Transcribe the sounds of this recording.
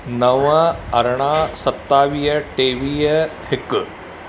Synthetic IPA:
nɐʋɐɐɾɳaːsɐt̪ːaːʋijɐʈeːʋijɐhɪk

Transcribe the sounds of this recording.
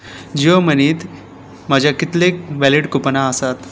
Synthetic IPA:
d͡ʑioməniːt̪ | mad͡ʑʱjakit̪leʋæliʈkupənaəsat̪

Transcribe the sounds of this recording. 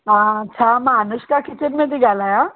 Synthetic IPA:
ɦãːt͡ɕʰamaanəɕkakʰit͡ɕenmed̪iɡʱalaja

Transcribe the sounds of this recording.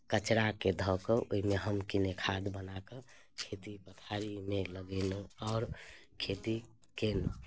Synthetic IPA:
kət͡ʃɾaked̪ʱɔkəoɦimeɦəmkinekʰad̪bənakə | kʰet̪ipət̪ʰaɾimeləɡɛneɔːɾkʰet̪i | ken

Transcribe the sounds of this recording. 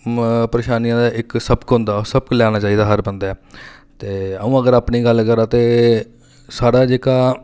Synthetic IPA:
pɾəʃaːnijãːd̪aːʔɪksəbkɦʊ̃nd̪aːsəb̚klɛːñaːt͡ʃaːiːd̪aːɦəɾbənd̪aːɛːt̪eːəũːəɡəɾaːpniːɡəlːkəɾaːt̪eː | saːɽaːd͡ʒeːkaː

